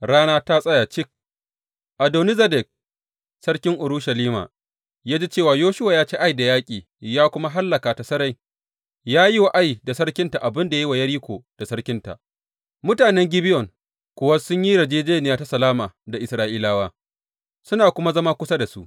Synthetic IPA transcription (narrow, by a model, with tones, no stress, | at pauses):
ɽaː˦naː˦ta˦sʼɐ˦jaː˨t͡ʃɪ˦k̚ | ʔa˨doː˨ni˦zɐ˦dɛ˨k̚ | sɐ˦ɽkʲɪ˦ŋʔʊ˨ɾu˦ʃa˨liː˦ma̰ː˨ | jaː˦d͡ʒe˦t͡ʃeː˦˨waː˨joː˦ʃʊ˦waː˨jaː˦t͡ʃeː˦ʔa˦jda˨jaː˦kʲʼiː˨ | jaː˦kʷʊ˦ma˦ɦa˦lːɐ˨kaː˨ta˨sɐ˦ɾa˦j | jaː˦ji˦wa˦ʔa˦jda˨sɐ˦ɽkʲɪ˦nta˨ʔa˨bɪ˦nda˨ja˦i˦wa˨jɐ˦ɽiː˦kʷoː˨d̥a˨sɐ˦ɽkʲɪ˦nta̰˨ʔ | mʊ˦taː˨nɛ˦ŋɡʲɪ˦bɪ˦jɔ˨ŋ | kʷʊ˦˨wɐ˦sʊ˦ɲji˦ɽɐ˨d͡ʒeː˦d͡ʒeː˦nɪ˨jaː˦ta˦sɐ˨laː˦maː˨da˨ʔɪ˨sɾaː˦ʔiː˦laː˦waː˦ | sʊ˦naː˨kʷʊ˦ma˦zɐ˦ma˦kʷʊ˦sa˦da˨sṵ˦ʔ